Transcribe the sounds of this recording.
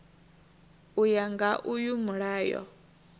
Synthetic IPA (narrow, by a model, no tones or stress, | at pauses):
ujaŋɡaʔujumuɺaːjɔ̰